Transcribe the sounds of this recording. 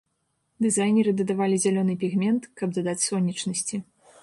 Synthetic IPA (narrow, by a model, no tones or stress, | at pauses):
d̪ɨzajnʲɛɾɨd̪ɐd̪avalʲizʲalʲɔnɨpʲiɣmʲɛnt̪kɐb̚d̪ɐd̪at͡sʲsɔnʲːit͡ʂnɐsʲt͡sʲi